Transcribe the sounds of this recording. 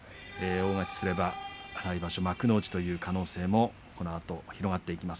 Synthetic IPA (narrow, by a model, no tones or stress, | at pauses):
eːo̞ːŋakʲi̥sɨɾe̞baɾaibaɕo̞makɯ̟no̞ːd͡ʑi̥t̪o̞jɯ̟ːkʰano̞ːse̞ːmo̞ | ko̞no̞at̪o̞çiɾo̞ɡat̪ːe̞ikʲimasɨ̥